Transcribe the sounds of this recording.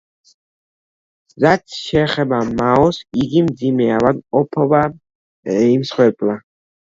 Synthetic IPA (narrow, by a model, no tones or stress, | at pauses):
ɾat̪sʰʃɛːχɛbamaɔsiɡimd̪zimɛavad̪ɔpʰɔba | imsχwɛɾpʼla